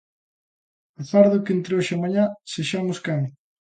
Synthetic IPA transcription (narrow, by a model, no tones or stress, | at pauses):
aθaɾðʊkent̪ɾeoʃɪamaɲaseʃamʊskam